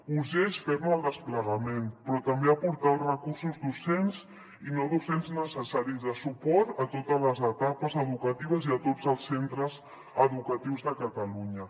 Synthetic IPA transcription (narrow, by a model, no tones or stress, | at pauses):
uʒeʃfɛɾnuəlˠd̪əspləɣəmenpɾɔt̪əmbeəpuɾt̪alˠrəkursuzðusenz | inoðusenznəsəsaɾizðəsupɔt̪ət̪ot̪əzləzət̪apəzəðukət̪iβəziət̪od͡zəlˠsːent̪ɾəz | əðukət̪iwzðəkət̪əluɲə